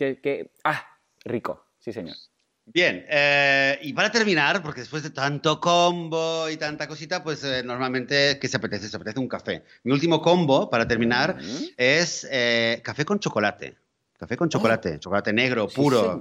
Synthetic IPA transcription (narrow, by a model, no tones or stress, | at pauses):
kekea | riko̰ | siseɲo̰ɾ | bje̞neipaɾat̪e̞ɾmĩnaɾpo̞ɾkeðspwe̞zðet̪ant̪okomboit̪ant̪ako̞sit̪apwe̞seno̞ɾmalmẽnt̪e̞keseapet̪eθeseapet̪eθeuŋkafe̞̰ | miult̪imo̞ko̞mbo̞paɾat̪eɾmĩnaɾesekafe̞kõ̞nt͡ʃo̞ko̞lat̪ḛ | kafe̞ko̞nt͡ʃoko̞lat̪e̞̰t͡ʃokolat̪ene̞ɣ̞ɾo̞puɾo